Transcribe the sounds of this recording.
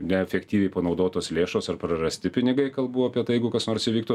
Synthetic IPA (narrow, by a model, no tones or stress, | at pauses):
nʲɛɛfʲɛkt̪ʲiːʋʲɛɪpɐnɒʊd̪oːt̪oːslʲeːʃoːsɐrpɾɐɾɐsʲt̪ʲɪpʲɪnʲɪɡɐɪkɐlˠbuɐpʲiɛt̪ɐɪjɛɪɡʊkɐsnoːɾsiʋʲiːkt̪uː